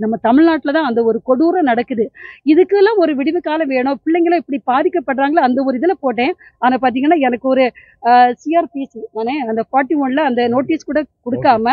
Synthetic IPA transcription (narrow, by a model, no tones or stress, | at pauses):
nɐmːɐt̪ɐmɪɻnaːʈːɪlɐt̪ãːɐnd̪ɐɔɾɯkɔɽuːɾɐ̃nɐɽɐkːɯðɯɪðɯkːɯɛlːãːɔɾɯʋɪɽɪʋɯkːaːlɐ̃ʋeːɳõːpɪɭːɛŋɡɐlɐ̃ɛpːɐɽipaːðɪkːɐpːɐʈːɾaːŋɡɐɭɐːnd̪ɐɔɾɯɪðɐlɐpoːʈːẽː | aːnaːpaːɾt̪iːŋɡɐnːaːɛnɐkːɯɔɾɯ | siːaːɾpisiaːnẽːɐnd̪ɐfaːɾʈːiʋɐnlɐɐnd̪ɐnoːʈːiːskuːɽɐkɔɽɯkːaːmɐ